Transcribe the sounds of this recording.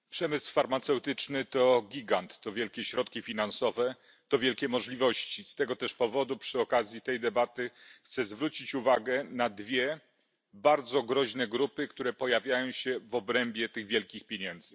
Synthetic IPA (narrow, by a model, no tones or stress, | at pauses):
pʂɛmɘswfaɾmat̪sɛwt̪ɘt͡ʂnɘt̪ɔɡʲiɡant̪ːɔvʲjɛlkʲɛɕɾɔt̪̚kʲifʲinansɔvɛ | t̪ɔvʲjɛlkʲɛmɔʐlʲivɔɕt͡ɕist̪ɛɡɔt̪ɛʂpɔvɔd̪upʂɘɔkazʲjit̪ɛjd̪ɛbat̪ɘxt̪sɛzvɾut͡ɕit͡ɕuvaɡɛnad̪vʲjɛ | baɾd̪zɔɡɾɔʑnɛɡɾupɘkt̪uɾɛpɔjavʲjajɔ̃w̃ɕɛvɔbɾɛmbʲjɛt̪ɘɣvʲjɛlkʲixpʲjeɲɛnd̪zɘ